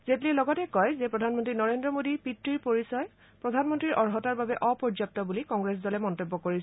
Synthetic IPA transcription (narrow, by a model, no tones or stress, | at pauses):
zetliɛlɔɡɔtɛkɔjzɛpɹɔdʱanmɔntɹinɔɹendɹɔmodipitɹiɹpoɹisɔj | pɹɔdʱanmɔntɹiɹʔɔɹɦɔtaɹbabɛʔɔpɔɹd͡ʒap̚tɔbulikɔŋɡɹes̬dɔlɛmɔntebːɔkoɹis